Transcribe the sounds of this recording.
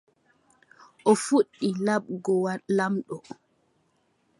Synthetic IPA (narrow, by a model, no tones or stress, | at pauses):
ʔɔfuɗːilaɓɡɔwlamɗɔ